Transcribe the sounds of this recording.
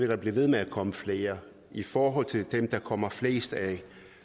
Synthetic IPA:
e̝ɾ̥ɑ̈b̥liʋe̝ð̞ˠmeækʰɒ̽məfle̝ːɐ | ifɒːɦɒ̽l̰t͡sʰe̝ld̥emd̥ɑ̈kʰɒ̽m̰ɐfle̝̰ːsd̥æ

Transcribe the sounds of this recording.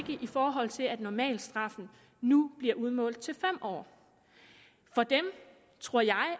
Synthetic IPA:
ɡ̥əʔifɒːɦɒ̽l̰t͡sʰe̝læd̥nɒmɛ̰ːld̥sd̥ʁɑ̈fn̩ | nub̥liɐʔuð̞ˠmɔ̰̽ːld̥̩ˠt͡sʰe̝lfem̰ɒ̰ː | fɒ̽d̥em | t͡sʰʁo̝ɐ̰jɑ̈ɪ

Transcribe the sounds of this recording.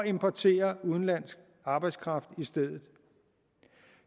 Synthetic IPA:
ɒe̝mpʰɒt͡sʰe̝̰ːɐuð̞ˠn̩læn̰sɡ̥̚ | ɑ̈ːb̥ɑ̈ɪd̥skʰʁɑ̈fd̥isd̥eð̞̰ˠð̩ˠ

